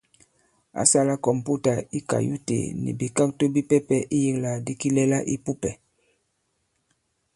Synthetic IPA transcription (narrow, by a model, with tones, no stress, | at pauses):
a̰˨˦sa˦la˦kɔ˨mpu˦ta˨i˦ka̰˨jṵ˦tḛ˨nḭ˨bi˨ka˦k̚to˦bi˦pɛ˦pɛ˦ʔi˦ji˦ŋla˨di˦ki˦lɛ˦la˦ʔi˦pu˦pɛ˨